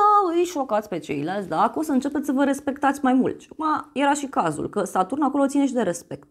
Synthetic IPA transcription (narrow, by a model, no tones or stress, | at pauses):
əɨjʃo̞kat̪sʲpe̞t͡ʃe̞̰jlalt̪sʲd̪akosəɨnt͡ʃe̞pet̪ssəvəɾe̞spe̞kt̪at̪sʲmajmṵlt̪ʃiakumaje̞ɾaʃikazṵlkəsat̪urnako̞lo̞t̪sineʃid̪e̞ɾe̞spe̞k̚t̪̚